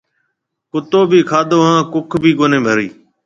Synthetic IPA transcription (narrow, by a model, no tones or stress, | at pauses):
kʊt̪oːbʱiːkʰaːd̪oːɦãːkʊkʰbʱiːɡoːnẽːbʱəɾiː